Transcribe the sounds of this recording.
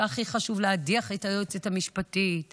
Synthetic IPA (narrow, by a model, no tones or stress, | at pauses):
aχiχaʃuvleadiaχetajot͡sethamiʃpatit